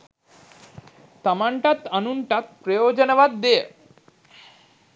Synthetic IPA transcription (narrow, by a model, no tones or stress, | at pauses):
t̪amaɳʈat̪anunʈat̪̚pɾejod͡ʑonɔbad̪ːee